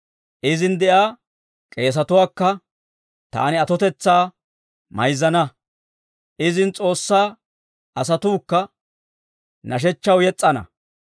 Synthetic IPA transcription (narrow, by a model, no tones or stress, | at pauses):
ʔɪzɪnd̪ɛʔaː | kʼe̞ːs̬ɐt̪ʊwaːkːɐ | t̪a̰ːnɪɐt̪ɔt̪ɛt͡sːaː | mɐjzɐnɐ | ʔɪzɪnt͡sʼo̞ːsːaː | ɐsɐt̪uːkːɐ | nʔɐʃ̬ɛt͡ʃːɐwjɛt͡sʼːɐnɐ̰